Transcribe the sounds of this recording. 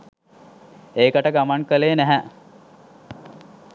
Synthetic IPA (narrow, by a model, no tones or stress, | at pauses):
eːkəʈəɡamaŋkəleːnæɦæ